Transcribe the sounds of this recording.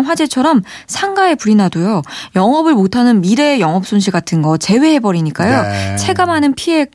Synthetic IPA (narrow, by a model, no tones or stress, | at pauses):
nɸwad͡ʑe̞t͡ɕʰʌɾʌm | sʰaŋɡae̞puɾinadojojʌŋʌbɯɭmotʰanɯnmiɾe̞jʌŋʌp̚s͈onɕʰiɡatʰɯnɡʌt͡ɕe̞we̞ɦe̞bʌɾiɲik͈ajot͡ɕʰe̞ɡamɦanɯnpʰie̞